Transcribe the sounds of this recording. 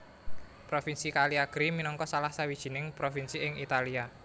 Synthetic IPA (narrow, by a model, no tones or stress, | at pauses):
pɾofinsikaliaɡ̥ɾiminɔŋkɔsalahsawid̥ʒ̥i̤nɪŋpɾofinsiɪŋit̪alia